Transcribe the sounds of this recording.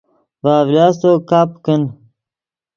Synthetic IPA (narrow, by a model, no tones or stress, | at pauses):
vaːvlaːst̪okaːpkən